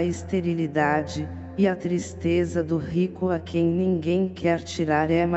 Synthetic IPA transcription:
ɐist̪eɾilid̪ad͡ʒɪ | ɪɐt̪ɾist̪ezɐd̪ʊɦikʊakʰẽj̃nĩŋɡẽj̃kʰɛɾt͡ʃiɾaɾɛmɐ

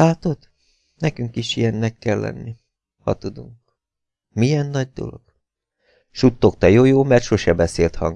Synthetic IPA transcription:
aːt̪o̞d̪ | nɛkyŋkiʃijɛnːɛkːɛlːɛ̰nːi | hɒ̰t̪ud̪uŋk | mijɛnːɒɟ̚d̪o̞̰lo̞̰ɡ̥ | ʃut̪ːo̞kt̪ɒjoːjoːmɛrt̪ʃo̞ʃɛbɛseːlt̪hɒŋ

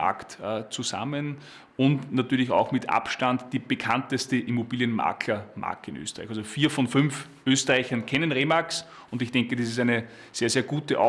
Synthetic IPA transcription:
a̰ktəːt͡suza̰mən | ʊntnatyːɐlɪça̰ʊxmɪtʰʔa̰pʃtantd̥iːb̥əkʰantəstəʔimobiːljənma̰ɐkʰlɐma̰ɐkɪ̰nʔø̰ːstəʁaɪçalzofiːɐfɔnfʏnf | ʔøːstəʁaɪçɐnkʰɛnənʁeːmaks | ʊndɪçd̥ɛŋkədiːs̬ɪstæɪnə | seːɐzeːɐɡuːtəʔa

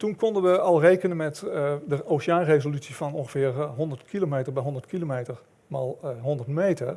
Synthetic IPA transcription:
tunkɔndənʋəɑlˠrejkənənmɛtdəoːʃjaːnrezolysifɔnõŋxəfɪːrɦɔndərtkʰilomeːtərbɛjɦɔndərtkʰilomeːtər | malˠɦɔndərtmeːtər

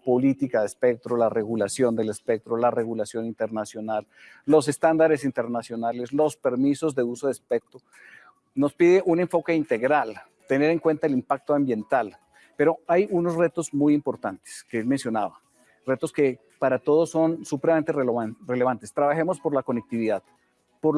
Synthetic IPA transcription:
po̞lit̪ikaðespe̞k̚t̪ɾolare̞ɣulasjond̪e̞le̞spek̚t̪ɾolare̞ɣulasjo̞nint̪eɾnasjo̞nal | lo̞s̬e̞st̪and̪aɾe̞sint̪e̞ɾnasjo̞naleslo̞spe̞ɾmiso̞zðd̪e̞usoðespek̚t̪ɾo | no̞spiðeʔune̞ɱfo̞ke̞int̪e̞ɣɾal | t̪e̞ne̞ɾe̞ŋkwe̞nt̪aelimpak̚t̪oambje̞nt̪al | pe̞ɾo̞ajuno̞sre̞t̪o̞zmujimpo̞ɾt̪ant̪e̥skeelme̞nsjo̞naβa | re̞t̪o̞ske̞ | paɾat̪o̞ð̞oso̞nsupɾemaent̪ere̞leβ̞ant̪e̞st̪ɾaβaxemo̞spo̞ɾlako̞nek̚t̪iβiðað | poɾ

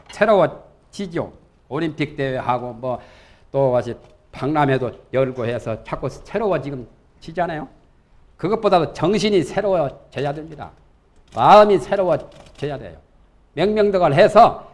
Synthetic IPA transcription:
sʰe̞ɾowʌ | t͡ɕid͡ʑo̰ | oɾimpʰik̚t͈e̞wehaɡomwʌ | t͈owaɕi | paŋnamedojʌɭɡohe̞sʰʌt͡ɕʰak͈osʰe̞ɾowʌd͡ʑiɡɯm | t͡ɕid͡ʑanajo | kɯɡʌt̚p͈odadot͡ɕʌŋɕʰiɲisʰe̞ɾowʌt͡ɕejadwemɲida̰ | maɯmisʰe̞ɾowʌt͡ɕejadwe̞̰jo̰ | mjʌŋmjʌŋdʌɡʌɭɦesʰʌ

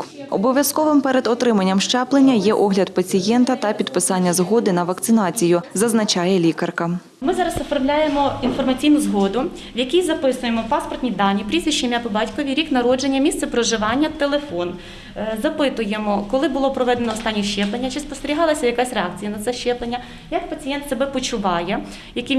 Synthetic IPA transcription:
ɔbɔʋʲjɐskɔʋɪmpɛɾed̪ɔt̪ɾɪmɐnʲːɐmʃt͡ʃɛplˠenʲːɐjɛʔɔɦlʲɐd̪pɐt͡sʲijɛnt̪ɐt̪ɐpʲid̪pɪsɑnʲːɐzɦɔd̪ɪnɐʋɐkt̪sɪnɑt͡sʲijʊzɐznɐt͡ʃɑjɛlʲikɐrkɐ | mɪzɑɾɐsɔfɔrmlʲajemɔinfɔrmɐt͡sʲijnʊzɦɔd̪ʊ | ʋjɐkʲijzɐpɪsʊjemɔpɑspɔrt̪ʲnʲid̪ɑnʲːipɾʲizʲʋʲiʃːimʲɐpɔbɑtʲkɔʋʲiɾʲiknɐɾɔd͡ʒe̞nʲːɐmʲisɛpɾɔʒɪʋɑnʲːɐt̪elˠefɔn | zɐpɪt̪ʊjemɔkɔlˠɪbʊlˠɔpɾɔʋɛd̪enɔɔːst̪ɑnʲːiʃt͡ʃɛplˠenʲːɐt͡ʃɪspɔst̪eɾʲiɦɑlˠɐsʲɐjɐkasʲreɑk̚t͡sʲijɐnɐt̪sɛʃt͡ʃɛplˠenʲːɐ | jɐk̚pɐt͡sʲijɛnt̪sebɛpɔt͡ʃʊʋɑjɛ | jɐki

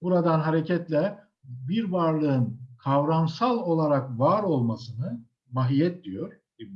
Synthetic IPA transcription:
buɾad̪anɦaɾecʰɛt̪lʲɛ | biɾvaɾlˠɯɯnkʰavɾamsalˠo̞lˠaɾakvaːɾo̞lˠmasɯnɯ | vaɦijɛt̪̚d̪ijo̞ɾ̥

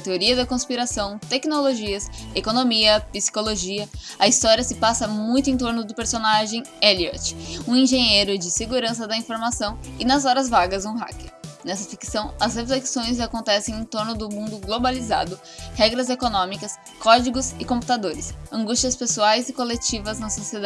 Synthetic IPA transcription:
t̪eoɾiɐd̪ɐkõspiɾasɐ̃w̃t̪ɛknoloʒiɐsekonõmiɐpisi̥koloʒiɐ | ɐist̪ɔɾiɐsɪpasɐmũj̃t̪ʊẽt̪oɾnʊd̪ʊpeɾsonaʒẽj̃ɛliɛ̰ɾt͡ʃɪ̥ũẽʒẽɲejɾʊd͡ʒɪseɡuɾɐ̃sɐd̪ɐĩfoɾmasɐ̃w̃ɪnɐzɔɾɐzvaɡɐzũɦa̰kɪnɛsɐfiksɐ̃w̃ɐzhefleksõj̃z̬akõnt̪ɛsẽj̃ẽt̪oɾnʊd̪ʊmũd̪ʊɡlobaliza̰d̪ʊ | hɛɡɾɐzekonõmikɐs | kɔd͡ʒiɡʊzɪkõpu̥t̪ad̪oɾɪsɐ̃ŋɡust͡ʃiɐspesuajzɪkolet͡ʃivɐznɐsosied̪a

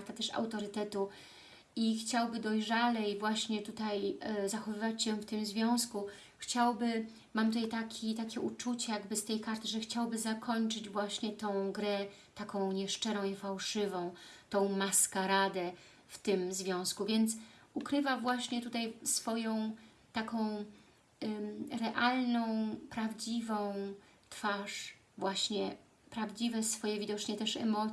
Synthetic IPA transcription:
ɾt̪at̪ɛʂa̰wt̪ɔɾɘt̪ɛt̪u | ixt͡ɕawbɘd̪ɔjʐalɛjvwaɕɲɛt̪ut̪ajzaxɔvɘvat͡ɕɕɛft̪ɘmzvʲjɔ̃w̃sku | xt͡ɕawbɘ | mamt̪ut̪ajt̪akʲʰit̪akʲɛʔut͡ʂut͡ɕɛjaɡbɘst̪ɛjkaɾt̪ɘʐɛxt͡ɕawbɘzakʰɔɲt͡ʂɘd͡ʑvwaɕɲɛt̪ɔ̃w̃ɡɾɛ | t̪akɔ̃w̃ɲɛʂt͡ʂɛɾɔ̃w̃ifawʂɘvɔ̃w̃t̪ɔ̃w̃maskaɾad̪ɛ | ft̪ɘmzvʲjɔ̃w̃skuvʲjɛnt̪sukɾɘvavwaɕɲɛt̪ut̪ajsfɔjɔ̃w̃ | t̪akɔ̃w̃ | ɾɛʔalnɔ̃w̃pɾavd͡ʑivɔ̃w̃ | t̪faʂ | vwaɕɲɛ | pɾavd͡ʑivɛsfɔjɛvʲid̪ɔt͡ʂɲɛt̪ɛʂɛ̰mɔ

